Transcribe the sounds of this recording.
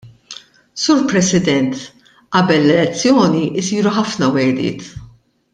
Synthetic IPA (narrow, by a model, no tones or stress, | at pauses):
suːɾpɾɛsɪd̪ɛnt̪ | ʔɐbɛlːɛlɛt͡sːjɔːniʔɪsiːɾuħɐfnɐwɛd̪ɪ̰ːt̪